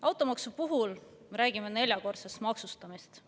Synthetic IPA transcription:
ɑwt̪ˑo̞mɑksupuɦulme̞ɾæːɡ̥ime̞ne̞lʲjɑko̞rt̪sest̪mɑksust̪ɑmist̪

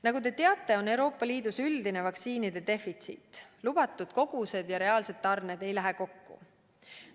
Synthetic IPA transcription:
nɑɡut̪e̞t̪e̞ɑt̪ːˑe̞o̞ne̞wɾo̞ːpˑːɑliːd̪̥usyld̪ine̞vɑksiːnid̪̥e̞d̪e̞fit̪sḭt̪ːˑlub̥ɑt̪ːˑud̪̥ko̞ɡ̥use̞d̪̥jɑɾe̞ɑːlse̞d̪̥ːɑrned̪̥e̞jlæɦeko̞kːṵ

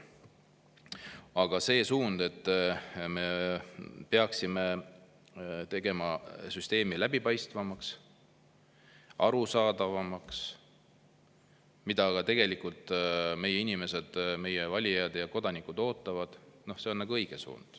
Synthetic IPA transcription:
ɑɡ̥ɑse̞ːsuːnd̪̥e̞t̪ːme̞ | peɑksime̞ | t̪e̞ɡ̥e̞mɑsyst̪e̞ːmilæbipɑjst̪vɑmɑks | ɑɾusɑːd̪̥ɑvɑmɑks | mid̪̥ɑɡ̥ɑt̪e̞ɡ̥e̞likult̪ˑme̞jeinime̞se̞d̪̥me̞jevɑlʲiɑd̪jɑko̞d̪̥ɑnikˑud̪o̞ːt̪ːˑɑvɑd̪̥no̞hse̞o̞nnɑɡuɤjɡ̥esṵːnd̪̥

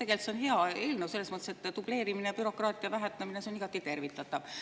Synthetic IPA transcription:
e̞ɡe̞lt̪seo̞nɦe̞ɑeːlnewse̞lːesmɤt̪ːˑeset̪ːˑd̪ub̥le̞ːɾiminejɑpyɾo̞krɑːt̪ˑiɑvæɦet̪ːemineseo̞niɡ̥ɑt̪ˑːit̪e̞rvit̪ːˑɑt̪ːˑɑv

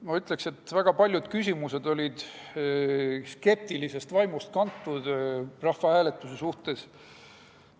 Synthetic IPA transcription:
mɑyt̪ˑle̞kse̞t̪ːvæɡ̥ɑpɑlʲjud̪̥kysʲimuse̞d̪̥o̞lʲid̪̥ | ske̞p̚t̪ilise̞st̪vɑjmust̪̚kɑnt̪ːˑud̪̥rɑhvɑhæːle̞t̪ːˑusesuht̪e̞s

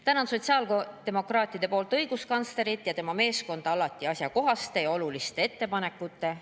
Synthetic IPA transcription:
t̪ænɑnsot̪ʲsiɑːlt̪e̞mo̞krɑːt̪ʲːˑid̪̥e̞po̞ːlt̪ˑɤjɡ̥uskɑnsle̞ɾit̪ˑjɑt̪e̞mɑme̞ːsko̞nd̪̥ɑɑlɑt̪ːˑiɑsjɑko̞ɦɑst̪e̞jɑo̞lulist̪e̞e̞t̪ːe̞pɑne̞kːˑut̪ːˑe̞

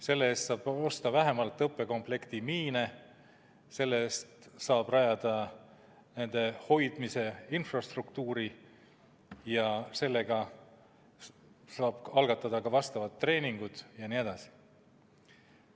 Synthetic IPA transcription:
se̞lːeeːst̪sɑːb̥o̞st̪ɑvæɦe̞mɑlt̪ˑːɤpːˑe̞ko̞mple̞kt̪imiːne | se̞lːeeːst̪sɑːb̥rɑjɑd̪̥ɑ | ne̞nd̪̥e̞ho̞jd̪̥mise̞infrɑst̪rukt̪uːɾi | jɑse̞lːeɡ̥ɑ | sɑːb̥ɑlɡ̥ɑt̪ːˑɑd̪ɑkɑvɑst̪ɑvɑt̪ːre̞ːniŋɡ̥ud̪̥jɑnie̞d̪̥ɑsi̥

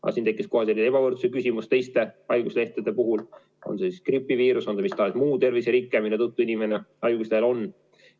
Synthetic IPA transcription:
ɑ̰sint̪e̞kːˑisko̞ɦɑselːine̞bɑvɤrt̪su̥sekysimust̪e̞jst̪e̞ɑjɡusle̞ht̪ed̪̥e̞puɦul | o̞̰nsesiskripːˑiviːɾuso̞nsemist̪ɑesmuːt̪e̞rviseɾikːˑemineut̪ːuinʲimeneɑjɡuslelo̞n

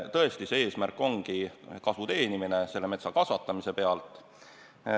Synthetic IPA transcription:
t̪ɤest̪ise̞e̞ːsmærkːˑo̞ŋɡ̥ikɑsut̪e̞ːnimine̞se̞lːe̞me̞t̪sɑkɑsvɑt̪ːˑɑmise̞pe̞ɑlt̪ˑ

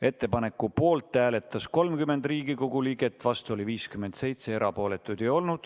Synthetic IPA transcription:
e̞t̪ːˑe̞pɑne̞kːˑupo̞ːlt̪ˑːæːle̞t̪ːˑɑsko̞lmkyme̞nd̪riːɡiko̞ɡ̥uliːɡe̞t̪ːvɑst̪uo̞liviːskyme̞nd̪̥se̞jt̪se̞eɾɑpo̞ːle̞t̪ːˑud̪̥ejo̞lnud̪̥

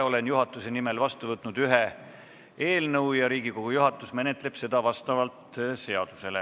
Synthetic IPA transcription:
o̞le̞njuɦɑt̪ːˑuse̞nime̞lvɑst̪uvɤt̪ːˑnud̪̥yɦe̞ | e̞ːlnɤwjɑɾiːɡ̥iko̞ɡ̥ujuɦɑt̪ːˑusme̞ne̞t̪ˑle̞b̥se̞d̪ɑvɑst̪ɑvɑlt̪se̞ɑd̪̥use̞le

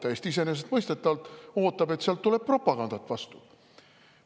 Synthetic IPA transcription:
t̪æjest̪iis̬e̞nes̬et̪mɤjst̪et̪ːˑɑvɑlt̪o̞ːt̪ːˑɑbe̞t̪seɑlt̪ːule̞b̥̚pro̞pːˑɑɡ̥ɑnd̪ɑt̪ːˑvɑst̪u

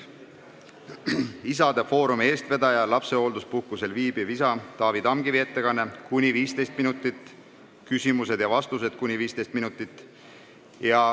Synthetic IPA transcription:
isɑd̪̥efo̞ːɾumie̞ːst̪ve̞d̪ɑjɑlɑpse̞o̞ld̪uspuhkuse̞lviːb̥ivisɑt̪ɑːvid̪̥ɑmɡivie̞t̪ːe̞kɑnːe̞kunʲiviːst̪e̞jst̪̚minut̪ːˑit̪ːˑ | kysʲimuse̞d̪̥jɑvɑst̪use̞d̪̥kunʲiviːst̪e̞jst̪minut̪ːˑit̪ˑː | jɑ

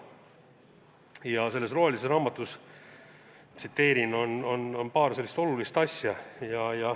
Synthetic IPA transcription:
jɑse̞lːe̞sro̞ɦheliserɑːmɑt̪ːˑus | t̪sit̪ːe̞ːɾino̞no̞no̞npɑːɾse̞lːist̪o̞lulist̪ɑsʲjɑjɑjɑ

